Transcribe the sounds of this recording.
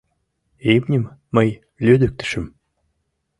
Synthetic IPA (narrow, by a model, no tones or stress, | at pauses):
emnʲɘ̆mmɤj | lʲød̪øk̚t̪ɘ̥̆ʃɘ̆m